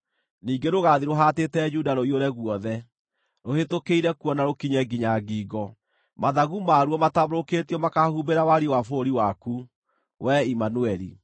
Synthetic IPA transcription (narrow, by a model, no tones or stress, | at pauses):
niːɡeɾoɣaðiɾoɦatetɛd͡ʒudaɾoioɾɛɣwɔðɛ | ɾohetokeiɾɛkuɔnaɾokiɲɛɡiɲaɡiːɡɔ | maðaɣumaɾwɔmataβoɾoketiɔmakahubeɾawaɾiwafoɾiwaku | wʔɛimanuɛɾḭ